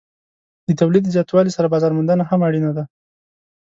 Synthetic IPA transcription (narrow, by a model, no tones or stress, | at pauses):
d̪ət̪awlid̪zjɑt̪wɑlisaɾabɑzɑɾmand̪anahamaɽinad̪a